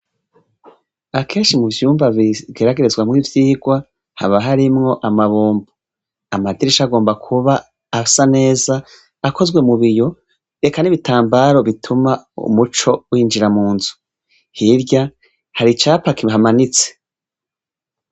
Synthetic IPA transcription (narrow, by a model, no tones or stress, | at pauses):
akʰe̞ːnʃimuvjuːmbaβiɡeɾaɡeɾezwamŋiːvjiːɡwa | ha̰βaɦaɾimŋo̞ʔamaβuːmbu | amadiɾiʃaɡo̞ːmbakʰuβaː | sane̞ːzaː | kʰo̞zwemuβijo̞ | ɾe̞kaniβitaːmbaɾo̞βitʰumaṵmut͡ʃo̞wiːnd͡ʒiɾamuːnzu̥ | hiɾɟa | haɾit͡ʃaːpakiɦamanit͡se̥